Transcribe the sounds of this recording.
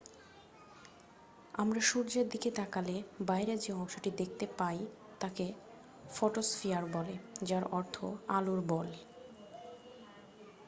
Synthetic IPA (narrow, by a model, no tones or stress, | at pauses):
amɾaʃuɾd͡ʑeɾd̪iket̪akalebajɾed͡ʑeɔŋʃoʈid̪ek̚ʰt̪epaj | t̪ake | fɔʈosfiaɾbɔled͡ʑaɾɔɾt̪ʰo̰aloɾbɔl